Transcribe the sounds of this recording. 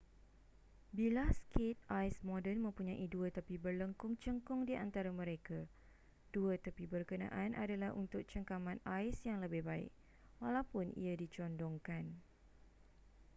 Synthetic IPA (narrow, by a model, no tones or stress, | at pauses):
bilaskit̪̚ajsmɔdənmə̃mpuɲãʔiduət̪əpibərləŋkʊŋt͡ʃəŋkʊŋdiʔant̪aɾamə̃ɾeka | d̥uət̪əpibərkənã̰ʔanʔa̰dalaɦṵnt̪ʊk̚t͡ʃəŋkamãnajsjaŋləbɪhbaɪ̰k̚ | walawpʊnḭadit͡ʃɔndɔŋkan